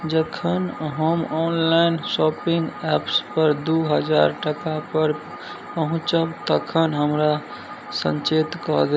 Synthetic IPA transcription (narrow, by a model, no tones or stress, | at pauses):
d͡ʒəkʰənɦəmɔnlaɪnsɔpiŋɡɛpspəɾd̪uɦəd͡ʒa̰ɾʈəkapəɾ | pəɦũt͡ʃəbt̪əkʰənɦəmɾa | sə̰̃nt͡ʃet̪kɔd̪